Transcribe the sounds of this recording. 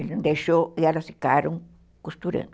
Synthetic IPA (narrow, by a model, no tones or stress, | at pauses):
elnd̪eʃojalosikaɾoŋ | kust̪uɾḛn